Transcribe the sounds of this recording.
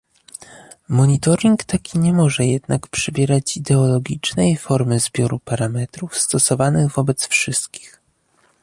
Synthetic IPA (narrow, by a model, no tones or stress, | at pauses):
mɔɲit̪ɔɾʲiŋkt̪akʲiɲɛmɔʐɛjɛd̪nakpʂɘbʲjɛɾat͡ɕid̪ɛɔlɔɡʲit͡ʂnɛjfɔɾmɘzbʲjɔɾupaɾamɛt̪ɾufst̪ɔsɔvanɘɣvɔbɛt̪sfʂɘst̪̚kʲi̥x